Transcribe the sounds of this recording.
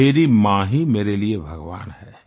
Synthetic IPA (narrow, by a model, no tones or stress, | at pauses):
eːɾimãːɦimeːɾeliebʱɐɡʋa̰ːnɦɛː